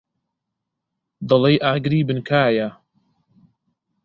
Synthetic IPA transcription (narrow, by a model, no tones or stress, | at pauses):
d̪ɐlˠejʔaːɡɾiːbɨnkʰaːja